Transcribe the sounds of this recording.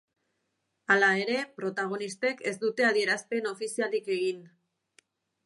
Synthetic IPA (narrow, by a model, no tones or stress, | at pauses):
alae̞ɾe̞pɾo̞t̪aɣ̞o̞nist̪e̞ke̞zd̪ut̪e̞aðie̞ɾaspe̞no̞fisialike̞ɣin